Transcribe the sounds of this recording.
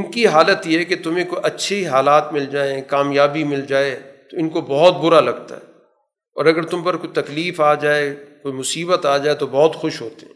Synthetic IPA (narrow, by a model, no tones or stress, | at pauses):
ɪnkiɦaːlət̪jiɦɛket̪ʊmẽkoiʔɐtːʃʰeɦaːlaːt̪mɪld͡ʒaːekaːmjaːbimɪld͡ʒaːet̪oɪnkobɔɦʊt̪̚bʊɾalɐɡt̪a̰ɦɛː | ɔ̰ːɾɐɡəɾt̪ʊmpɐɾkoit̪ɐkliːfaːd͡ʒaːekoːimʊsiːbət̪aːd͡ʒaːet̪obɔɦʊt̪xʊʃɦoːt̪eɦɛ̃ː